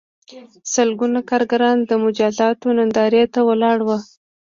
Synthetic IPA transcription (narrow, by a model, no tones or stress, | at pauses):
səlɡunakɑɾɡaɾɑnd̪əmʊd͡ʒazɑt̪onand̪ɑɾet̪awalɑɽwə